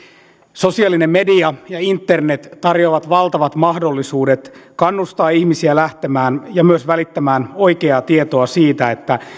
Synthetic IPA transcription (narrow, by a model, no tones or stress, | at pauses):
so̞siɑlːinemme̞diɑjɑint̪ːe̞rnet̪t̪ɑrjo̞ʋɑt̪ʋɑlt̪ɑʋɑt̪mɑhdo̞lːisuːde̞t̪kɑnːust̪ɑːiçmisiælæht̪emæːnjɑmyøsʋælit̪ːæmæːno̞jke̞ɑt̪ie̞t̪o̞ɑsiːt̪æet̪ːæ